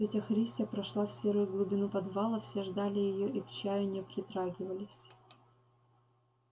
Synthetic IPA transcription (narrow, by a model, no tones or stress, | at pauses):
etʲɐxɾʲisʲtʲəpɾɐʂlˠafsʲeɾɨjʊɡlˠʊbʲɪnupɐd̪vɑlˠəfsʲeʐd̪alʲɪjɪjoʔikt͡ɕæjʊnʲɛpɾʲɪt̪ɾaɡʲɪvəlʲɪsʲ